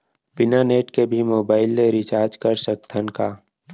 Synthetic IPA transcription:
bɪnaneːʈkebʱimoːbaːɪlːeɾɪt͡ʃaːɾd͡ʒkəɾsək̚t̪ʰənkaː

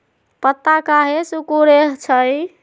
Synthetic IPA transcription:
pət̪ːakaɦesukuɾeɦt͡ʃʰəj

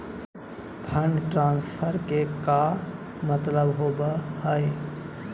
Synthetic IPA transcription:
pʰəɳɖʈɾãːnspʰəɾkeka | mət̪ləbɦoːbahəe

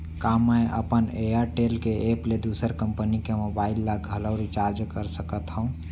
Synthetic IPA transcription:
kaməjʔə̰pəneəɾʈelkeʔeːpled̪usəɾkəmpənikemobaːɪlːaɡʱələʊɾit͡ʃaɾd͡ʒkəɾsəkət̪ɦə̃ũ

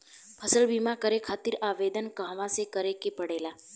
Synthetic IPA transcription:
pʰəsəlbimakəɾekʰaːt̪iɾaʋed̪ənkəɦʋãsekəɾekepəɽela

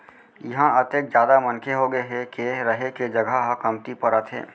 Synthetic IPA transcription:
jɐɦãʔət̪ek̚d͡ʒjaːd̪amɐnkʰeɦoɡəeɦɛkeɾəɦeked͡ʒɐɡʱaɦəkəmt̪ipəɾət̪ɦɛ̰ː

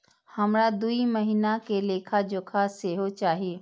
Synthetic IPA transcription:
hɐmɾad̪uiməɦinakeleːkʰad͡ʒoːkʰaseɦot͡ʃaːɦieː

